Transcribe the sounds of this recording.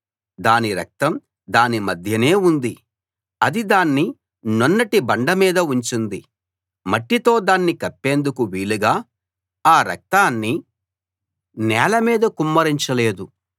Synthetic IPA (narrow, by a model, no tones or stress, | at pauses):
d̪aːniɾɐ̰k̚t̪ɐm | d̪aːnimɐd̪ʱjɐne̞ːund̪i | ɐd̪id̪aːnːi | nɔnːɐʈibɐɳɖɐmiːd̪ɐuɲt͡ʃind̪i | mɐʈːit̪o̞ːd̪aːnːikɐpːe̞ːnd̪ukuʋiːɭuɡaː | aːɾɐ̰k̚t̪aːnːi | nɛːlɐmiːd̪ɐkumːɐɾiɲt͡ʃɐle̞ːd̪u